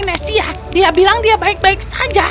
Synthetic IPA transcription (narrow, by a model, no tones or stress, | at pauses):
nasia | diabilaŋdiabaik̚baiksad͡ʒa